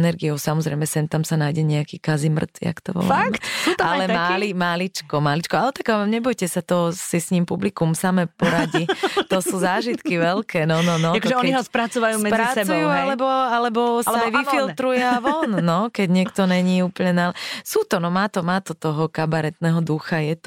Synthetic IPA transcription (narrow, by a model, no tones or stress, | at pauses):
nɛɾɡiɔʊsamɔzɾɛ̰jmɛsɛnt̪amsanajɟɛɲɛakiːkazimr̩t̪ja̰kt̪ɔ̰ʋɔ̰lmt̪sualɛmalimalit͡ʃkɔmalit͡ʃkɔalɛt̪akamɲɛbɔjcɛsat̪ɔsisɲiːmpublikumsamɛpɔɾaɟit̪ɔsuːzaːʒit̪kiʋɛlkʰɛːnɔnɔnɔatɔʒɛɔɲiiɦɔspɾat͡sɔʋajuːsmɛpɾiasɛbt͡sujuːalɛbɔalɛbɔsaaʋifilt̪ɾujɛaʋɔnːɔkɛɟɲɪɛkt̪ɔnɛɲiːuːpl̩ɲɛnalɛsuːt̪ɔnɔmaːt̪ɔmaːt̪ɔt̪ɔɦɔkabaɾɛt̪nɛɦɔd̪uxajɛt̪ɔ